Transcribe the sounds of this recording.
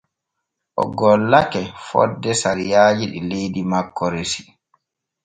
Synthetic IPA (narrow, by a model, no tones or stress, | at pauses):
ʔɔ̰ɡɔlːakɛfɔ̰dːɛsaɾijaːd͡ʒiɗḭlejdimakːɔɾesi̥